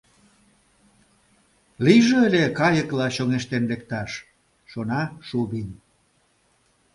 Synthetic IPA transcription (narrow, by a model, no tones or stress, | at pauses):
liʒĕelʲekɑjəklɑɕoŋeʃt̪enlek̚t̪ɑʃ | ʃonɑʃuβin